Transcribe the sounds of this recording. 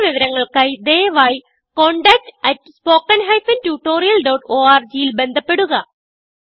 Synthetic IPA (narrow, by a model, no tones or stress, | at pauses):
ʋiʋɐɾɐŋːɐɭkaːjid̪ejɐʋaːji | ko̞ɳɖɐk̚ʈɐtːspo̞ːkːɐnɦɐjfɐntuːʈːo̞ːɾijɐlɖɐwʈoːaːrd͡ʑijilbe̞nd̪ʱɐpːe̞ɽuɣɐ